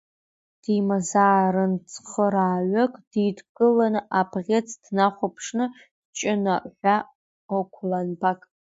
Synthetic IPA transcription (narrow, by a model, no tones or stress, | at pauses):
d̥imazaːɾɨnt͡sʰʼχəɾaːɥʷakʼd̥idɡɨlanɨʔabʰʁʲet͡sʰʼd̥naχʷapʰʂnɨ̥ | t͡ʃʼɪnaʔħʷa | okʷʰlanbakʼ